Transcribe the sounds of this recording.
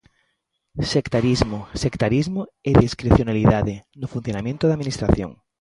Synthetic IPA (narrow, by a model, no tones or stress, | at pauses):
sekt̪aɾizmʊsekt̪aɾizmʊeðiskɾeθjonaliðaðɪnʊfun̟θjonamẽnt̪ʊðaminist̪ɾaθjõ̰ŋ